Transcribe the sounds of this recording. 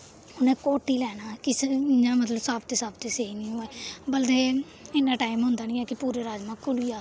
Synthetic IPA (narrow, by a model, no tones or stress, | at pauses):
ʊnẽːkoːʈiːlɛːnaːkɪsnãːmət̪ləbsaːpt̪eːsaːb̚t̪eːseːinĩːoeːbəld̪eː | ɪnːãːʈaːɪmɦʊ̃nd̪aːnĩːɛːkɪpuːɾeːɾaːd͡ʒmãːkʊliːaː